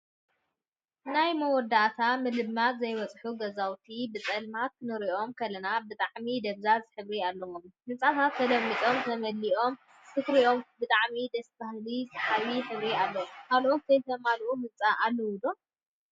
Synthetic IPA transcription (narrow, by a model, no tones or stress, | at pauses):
najmɐwɔd̪aʔt̪ʰamɨlɨmːat̪zɐjwɐt͡sʼħuɡɐzawt̪ʰibɨt͡sʼɐlmat̪̚kʰɨnɨɾiʔo̞mkʰɐlɐnabɨt̪ʼaʕmid̪ɐβzazɨħɨβɾialːɐwommɨnt͡sʼat̪ʰat̪ʰːɐlɐmːit͡s̪ʼo̞mt̪ʰɐmɐlːiʔo̞m | sɨkɾiʔo̞mbɨt̪ʼaʕmid̪ɐstahlizɨħawiħɨβɾialːɐwomkʰalʔo̞t̪zɐjt̪ʰɐmalʔumɨnt͡sʼaʔalːɐwud̪om